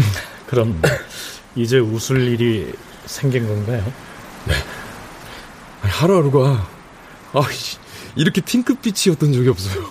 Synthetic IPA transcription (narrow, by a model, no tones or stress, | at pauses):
kɯɾʌm | id͡ʑe̞usʰuɭːiɾi | sʰe̞ŋɡinɡʌnɡajo | ne | aihaɾuaɾuɡoa | a | iɾʌkʰe̞tʰiŋkʰɯp̚p͈it͡ɕʰiʌt͈ʌnt͡ɕoɡiʌp̚s͈ʌjo